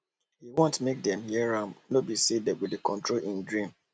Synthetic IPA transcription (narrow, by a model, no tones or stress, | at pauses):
hiwɔ̃ntmek̚dɛ̃mhɛɹãnobisedewɪdekɔ̃ntɹolʔĩndɹĩm